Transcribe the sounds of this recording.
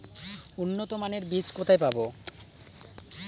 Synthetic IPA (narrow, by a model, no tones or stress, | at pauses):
unːot̪omaneɾbit͡ɕkot̪ʰajpabo